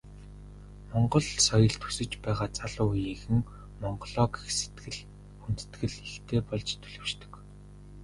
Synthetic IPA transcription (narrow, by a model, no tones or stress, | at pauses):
mɔɴɢɞ̆ɮsɔjɞ̆ɮt̪ʰu̥sɘ̆t͡ɕpæːʁaːt͡saɮʊːjiɣɘ̆ŋ | mɔɴɢɞɮɔːkixse̥t̪ɡɘ̆ɮ | un̥t̪ɘ̥t̪ɡɘ̆ɮext̪ʰeːpɔɮt͡ɕt̪ʰɵ̥ɮɵːʃt̪ɞ̥̆k